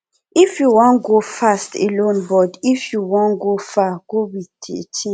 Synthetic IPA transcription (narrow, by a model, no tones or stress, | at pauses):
ifjuwɔ̃n̚ɡofastḛlõnbɔdifjuwɔ̃nɡofaɡ̥owitʰḛt͡ʃʰi